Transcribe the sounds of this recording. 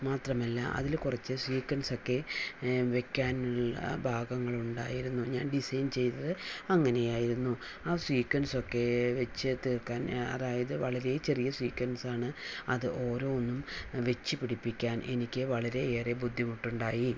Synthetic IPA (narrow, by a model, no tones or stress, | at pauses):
maːt̪rɐmɐlːɐ̰ʔɐ̰ðilkurɐt͡ɕːɨswiːkwɐnso̞kːe̞ | ʋe̞kʲːaːnuɭːɐ̰bʱaːɡɐŋːɐɭuɳɖa̰ːjiɾunːuɲa̰ːnɖisɐjnt͡ɕe̞jt̪ɐðɨɐŋːɐne̞jaːjiɾunːu | aːswiːkwɐnso̞kːe̞ʋe̞t͡ɕːɨt̪irkːaːnɐ̰ðaːjɐðɨʋɐɭɐɾe̞t͡ɕe̞rijɐswiːkːwɐnsaːɳɨɐðɨʔo̞ːɾo̞ːonːumʋe̞t͡ɕːɨpiɽipːikʲːaːnʔe̞nikʲːɨʋɐɭɐɾe̞eːrebud̪ʱːimuʈːuɳɖaːji